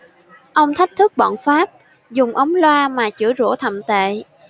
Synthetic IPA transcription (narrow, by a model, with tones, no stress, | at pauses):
ʔə˧wŋ͡mt̪ʰa˦˥jk̚t̪ʰɨ˦˥k̚ɓɔ̰˧˨nfaː˦˥p̚ | zʊ˨˩ŋ͡mʔə˨˦wŋ͡mlwaː˧maː˨˩t͡ɕɨ̰˧˩zo̰˧˩t̪ʰə̰˧˨mt̪ḛ˧˨